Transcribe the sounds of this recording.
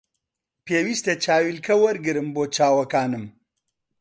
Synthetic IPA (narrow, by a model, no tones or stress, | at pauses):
peːwist̪et͡ʃaːwilkʰɐwɐɾɡɨɾɨmboːt͡ʃaːwɐkaːnɨm